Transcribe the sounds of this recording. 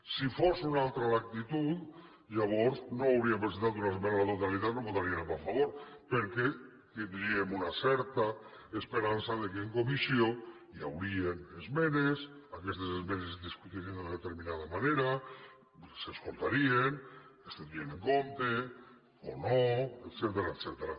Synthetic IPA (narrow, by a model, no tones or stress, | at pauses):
sifosunalˠt̪ɾalak̚t̪it̪ut̪ | ʒaβ̞ɔɾznoawɾiampɾesent̪at̪̬unazmenlat̪ot̪alit̪at̪noβot̪aɾienapafaβoɾpeɾke | t̪ind̪ɾiemunasɛɾt̪a | espeɾansaðekeŋkomisio | ja̰wɾienezmenes | akest̪esezmenezðiskut̪iɾend̪eðet̪eɾminaðamaneɾa | seskolˠt̪aɾienest̪end̪ɾieneŋkont̪e | onoet̪set̪eɾaet̪sɛt̪eɾa